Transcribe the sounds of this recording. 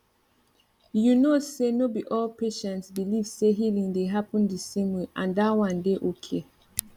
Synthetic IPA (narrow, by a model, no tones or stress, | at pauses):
junosenobiʔɔlpʰeʃɛ̃ntsbilivseɦilĩŋdeɦapə̃ndisẽmweʔã̰ndawãndeʔokʰe